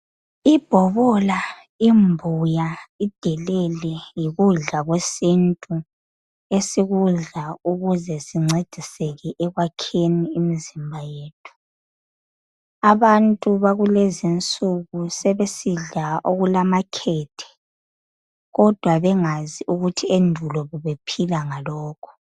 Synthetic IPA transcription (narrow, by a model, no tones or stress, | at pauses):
ib̥ʱɔβɔla | imbʱujaid̥ʱɛlɛlɛjiɣuɮaɣwesintʼu | esiɣuɮauɣuzɛsiŋ͡ǀed̥ʱisɛɣɛʔɛɣwakʰeniːmizimbʱajeːtʰu̥ | aβantʼuβaɣulezint͡sʼuɣusɛβesiɮaʔoɣulamakʰɛːtʰɛ̥ | ɣɔd̥ʱwaβɛŋaziʔuɣutʰiendʱulɔβuβepʰilaŋalɔːkʰɔ̥